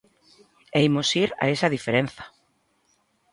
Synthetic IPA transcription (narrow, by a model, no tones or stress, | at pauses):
ejmosiɾa̰esaðifeɾen̟θḁ